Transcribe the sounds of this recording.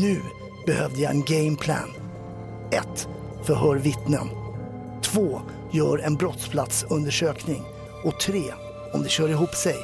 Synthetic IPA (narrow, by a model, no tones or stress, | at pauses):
nʉ̟ː | b̥ɛhœvd̪əjaɛ̰nɡɛɪmpʰlæ̰ːn | ɛt̪ | fœɾɦœːɾvɪt̪nə̰n | t̪ʰvoː | jœːɾɛnbɾɔt̪spʰlat̪sɵnd̪əʂøːknɪŋ | ɔt̪ʰɾeː | ɔmd̪ɛɕœːɾɪɦuːpsɛj